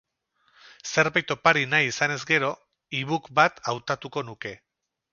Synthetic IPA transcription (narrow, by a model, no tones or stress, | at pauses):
se̞ɾβajt̪o̞paɾinajisane̞zɡe̞ɾo̞ | iβukbat̪awt̪at̪uko̞nuke̞